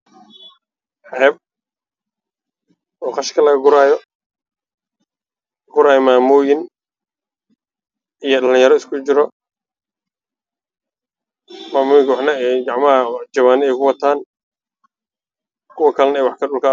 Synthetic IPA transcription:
ħɛːb̚ | ɔːqɑʃkʰɐlɐɣɐɡʊɾaːjɔ | ɡʊɾaːjmaːmʊːjɪn | ʔijɞɗɐlɪ̃jɐɾɔɪskʰʊt͡ʃɪɾɔ | maːmʊːjɪŋkʰwɑħnɐɛɡɑʕmɐɐt͡ʃɐwaːnɪɛjkʰʊwɑt̪ʰaːn | kʰʊwɐkʰɐlɐnɐɛːjwɑħkʰɐɗʊlkʰa

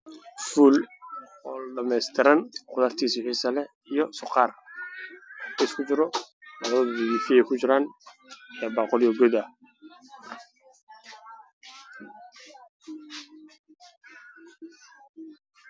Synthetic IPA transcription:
fuːl | ɔɖɐmɛjst̪ʰɪɾɐnqʊðɐrt̪ʰiːswɪħiːsɐlɛ | ijɔsʊqɑːr | skʰʊd͡ʒɪɾɔ | mɑwɔðdɪwiːfɪjɛkʰʊt͡ʃɪɾaːn | ɛːbɑːqɔljɔɡɔðɐ

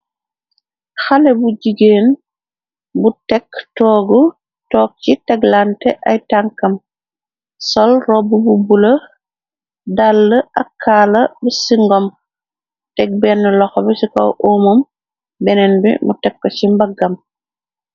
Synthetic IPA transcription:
xalɛbuɟiɡeːn | butɛktɔːɡɔ | tɔːk̚t͡ʃitɛɡlantɛʔajtaŋkɐm | sɔlrɔbububulɐ | dalːɐʔakʰːaːlɐbɛsiŋɡɔm | tɛɡ̚bɛnːɛlɔxɔbɛsikɔ̰wʔoːmom | bɛnɛnbḭmṵtɛkːɔt͡ʃimbɐɡːam

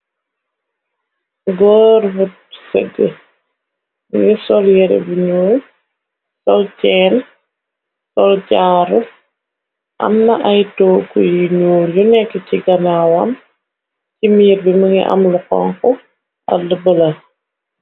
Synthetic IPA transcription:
ɡɔːɾbut̚sɛɡə | ŋisɔljɛɾɛ̰biɲuːl | sɔlcɛːn | sɔlcaːɾu | ʔɐ̰mnɐʔɐjtɔːkujiɲuːljunɛkːɛciɡɐnawɐm | cimiːɾbiməŋḭʔɐ̰mluqɔ̰ŋkɔ | ɐ̰lːəbəlɐ

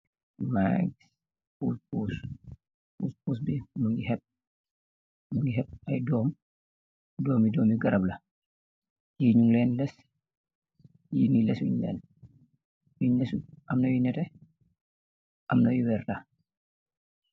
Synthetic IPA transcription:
ma̰ɡis | puːspuːs | pṵːspuːs̬bimɐŋɡihɛp̚ | mɐŋɡiɦɛp̚ːɐjdɔːm | dɔːmidɔːmiɡɐɾɐblɐ | jiːɲuŋlɛːnlɛs | jinilɛswḭɲlɛ̰n | wiɲlɛsuʔɐmnɐjunɛtɛ | ʔɐmnɐjuwɛrta

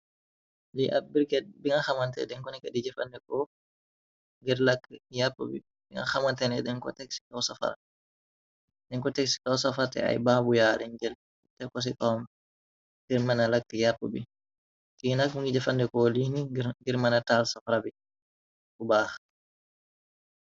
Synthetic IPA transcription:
liʔabiɾkɛbiŋɡaxamantɛ̰dɛŋkɔnɛkadid͡ʒɛfa̰ndɛkɔ | ŋɡɛɾlakːjapːṵbḭ | biŋɡa̰xamantɛnɛɗɛnkɔ̰tɛksi̥kawsafa̰ɾ | ɗɛŋkɔtɛksi̥kawsafaɾtɛ̰a̰jbaːbujaːliɲd͡ʒɛl | tɛkɔs̬ikʼawm | ɡ̥iɾmanalakːijapːubi | tinakuŋɡid͡ʒɛfandɛkɔliniɡiɾmanatalsafɾabi | kubaːx

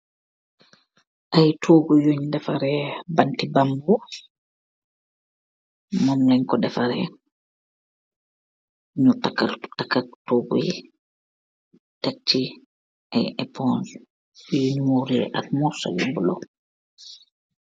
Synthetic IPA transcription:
ʔajtʰoːɡujoɲdɛfaɾɛbantibambu | mɔmlɛɲkɔdɛfaɾɛ | ɲutakaltakːatoːɡṵj | tat͡ʃːi | ʔajʔɛpʰɔn | juɲmuɾɛʔa̰lmɔsɔ̰jṵmbulɔ̰

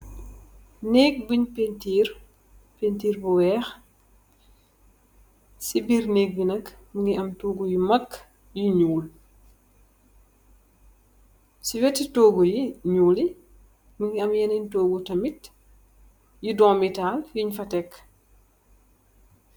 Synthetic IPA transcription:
neːk̚buɲpentiːr | pentiːɾbuwɛːx | sibirneːk̚binɐkmuŋɡiʔɐmtoːɡujimɐkː | juɲuːl | siwɛtitɔːɡujiɲuːli | muŋɡiɐmjɛnintoːɡutɐmit | judɔːmitaːljiɲfɐtɛk

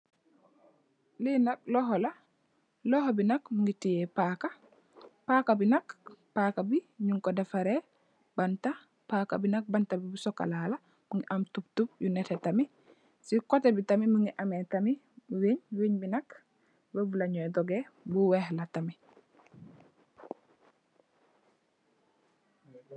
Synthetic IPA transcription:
linak̚lɔɦɔla | lɔɦobinakmuŋɡitijɛpaːka | paːkabinakpaːkabiɲuŋkɔdɛfaɾe | b̥anta | paːka̰binak̚bantabibusɔkːa̰lala | muŋɡiʔɐmtup̚tup̚junɛtetami | sikɔtebitɐmimuŋɡiʔametɐmi | weɲweɲbinɐk | wavulaɲɔjdɔɡebuwɛhlatami

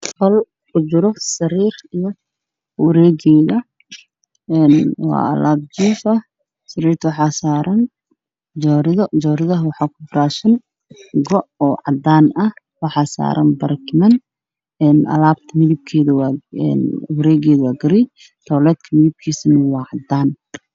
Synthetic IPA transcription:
hɔl | kʰʊt͡ʃɪɾɔsɐɾiːrijɔ | wɐɾɛːɡɛːðɐ | ɛːnwɑ̰ːɐ̰laːb̚t͡ʃiːfɐ | sɐɾiːrt̪ʰɐwɑħɑːsaːɾɐn | d͡ʒɔɾɪðd͡ʒɔːɾɪðɐɦwɑħɑːkʰʊbɾaːʃɐn | ɡɔʔɔːʕɑ̰d̪aːnɐh | wɑħɑsa̰ːɾʔɐ̰nbɐɾɐkmɐn | ɛːnʔɐ̰laːbt̪ʰɐmɪðɪb̚kʰɛːðɐwɑɛ̰nwɐɾɛːɡɛːðɐwɑːɡɐɾi | t̪ʰɔːlɛːd̪kʰɐmɪðɪb̚kʰiːsɐnɐwɑːʕɑd̪aːn

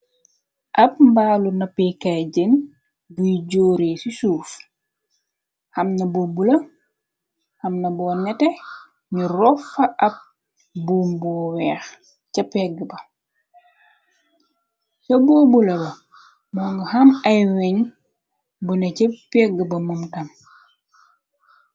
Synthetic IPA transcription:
ʔɐp̚mbaːlunɐpɛkaɟen | bujiɟoːɾeːsisuːf | hɐmnɐbobulɐ | hɐmnɐbɔːnɛtɛ | ɲurɔfɐʔɐp̚ | buːmbɔːwɛːx | cɐpɛɡəbɐ | sɐboːbulɐbɐ | mɔːŋɡhɐmɐjwɛɲ | bunɐcɐpɛɡəbɐmumtɐm

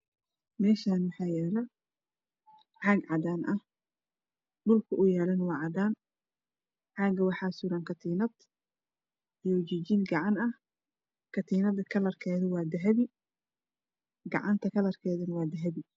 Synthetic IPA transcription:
mɛːʃaːnwɑħɑːjɛːlɐ | ʕɑːɡʕɑd̪aːnʔɐh | ɖʊlkʰʊʔʊjɛːlɐnwɑːʕɑd̪aːn | ʕɑːɡɐwɑħɑːsuːɾankʰɐt̪ʰiːnɐd̪ | ijwt͡ʃit͡ʃiːnɡɑʕɑnɐh | kʰɐt̪ʰiːnɐd̪ɐkʰɐlɐrkʰɛːðʊwɑːd̪ɐɦɐβi | ɡɑ̰ʕɑnt̪ʰɐkʰɐlɐrkʰɛːðɐnwɑːd̪ɐɦɐβi

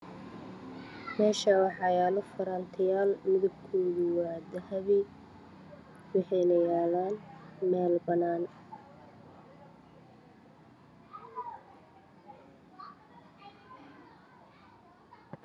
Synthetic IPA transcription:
mɛːʃaːwɑħɑjaːlɔfɐɾɐnt̪ʰɪjaːlmɪðɐb̚kʰoːðɪwaːd̪ɐhɐβi | wɑħɛjnɐjaːlaːnmɛːlbɐnaːn

